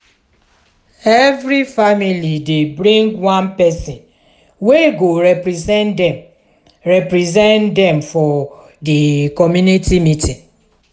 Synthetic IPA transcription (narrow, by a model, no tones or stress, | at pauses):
ɛvɾifamilidebɾĩŋɡwãnpɛsĩn | weɡoɾɛpsnd | ɹɛpɾizɛ̃ndɛmfɔ | dekɔmjunitimitĩn